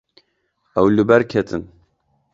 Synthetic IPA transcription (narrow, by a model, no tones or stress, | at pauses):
ɛwlɨbɛɾkʰɛt̪ʰɨn